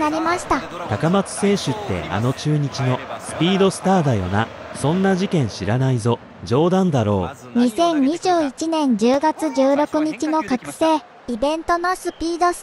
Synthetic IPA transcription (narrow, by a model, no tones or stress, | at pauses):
aɾʲimaɕi̥t̪a | t̪akamat͡sɨ̥se̞ːɕɨt̪ːe̞̰a̰no̞t͡ɕɨːɲ̟it͡ɕino̞sɨ̥pʲiːd̪o̞sɨ̥t̪aːd̪ajo̞̰na | sõ̞nːaʑikẽɰ̃ɕiɾanaizo̞ | d͡ʑo̞ːd̪ãnd̪aɾo̞̰ːɲ̟isẽ̞ɲɲʲiʑɨːit͡ɕinẽ̞ɲ̟d͡ʑɨːɡat͡sɨʑɨːɾo̞kɯ̟ɲ̟it͡ɕino̞kakɯ̟̥se̞ː | ibẽ̞nt̪o̞nosɨpʲiːd̪o̞s